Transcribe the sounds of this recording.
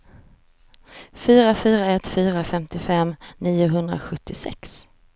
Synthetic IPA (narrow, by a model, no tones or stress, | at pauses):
fyːɾafyːɾaɛt̪ːfyːɾafɛmt̪ɪfɛmniːʊɦɵnd̪ɾa̰ɧɵt̪ʰːɪsɛ̰ks